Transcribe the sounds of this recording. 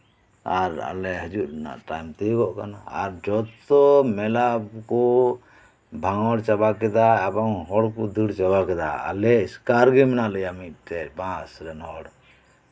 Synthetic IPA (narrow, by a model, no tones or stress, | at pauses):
aɾa̰lɛɦəd͡ʒutna̰ʔʈajmt̪iɡɔʔkanaa̰ɾd͡ʒɔt̪ɔmɛlabkɔ | bʱaŋɔɽt͡ʃabakɛd̪aabaŋɦɔɽkɔd̪iɽt͡ʃabakɛd̪a̰a̰lɛiskaɾɡimɛnaləjamit̚t̪ɛpãsɾɛnɦɔɽ